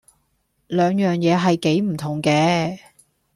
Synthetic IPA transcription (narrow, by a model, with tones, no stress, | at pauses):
lœː˨˧ŋjœː˨ŋjɛː˨˧ɦɐ˨jke˨˥jm̩˨˩t̪ʰʊ˨˩ŋkɛː˧